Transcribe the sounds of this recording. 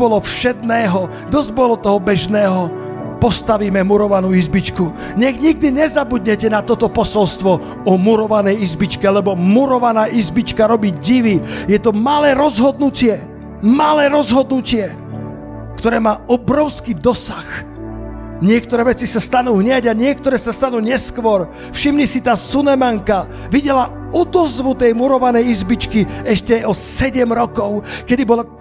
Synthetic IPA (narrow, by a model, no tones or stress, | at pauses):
ɔlɔfʃɛd̪nɛːɦɔ | d̪ɔzbɔlɔt̪ɔɦɔbɛʒnɛːɦɔ | pɔst̪aʋiːmɛmuɾɔʋanuːizbit͡ʃku | ɲɛɣɲiɡ̚d̪iɲɛzabud̪ɲɛcɛnat̪ɔt̪ɔpɔsɔlst̪ʋɔ | ɔmuɾɔʋanɛjizbit͡ʃkɛlɛbɔmuɾɔʋanaːʔizbit͡ʃkaɾɔbiɟɟiʋijɛt̪ɔmalɛːɾɔzɦɔd̪nucɪɛ | malɛːɾɔzɦɔd̪nucɪɛ | kt̪ɔɾɛːmaːʔɔbɾɔʊskiːd̪ɔsax | ɲɪɛkt̪ɔɾɛːʋɛt͡sisast̪anuːɦɲɪaɟaɲɪɛk̚t̪ɔɾɛːsast̪anuːɲɛskʋɔɾ | fʃimɲisit̪aːsunɛmaŋka | ʋiɟɛla | ɔd̪ɔzʋut̪ɛjmuɾɔʋanɛjizbit͡ʃkiɛʃcɛɔsɛɟɛmɾɔkɔʊkɛd̪ibɔla